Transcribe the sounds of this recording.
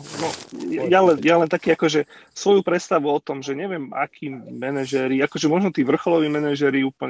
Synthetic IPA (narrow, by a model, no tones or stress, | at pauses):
nɔjjalɛnjalɛnt̪akiːakɔʒɛsʋɔjupɾɛt̪st̪aʋuɔt̪ɔmʒɛɲɛʋɪɛmakʰiːmɛnɛʒɛɾiakɔʒɛmɔʒnɔt̪iːʋr̩xɔlɔʋiːmɛnaʒɛɾiuːpl̩ɲɛ